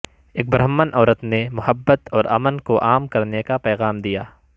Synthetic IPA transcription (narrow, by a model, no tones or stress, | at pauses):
eːk̚bɾɦəmːənʔɔːɾət̪nemʊhəbːət̪ɔːɾɐmənkoʔaːmkɐɾnekapɛːɣaːmd̪ijaː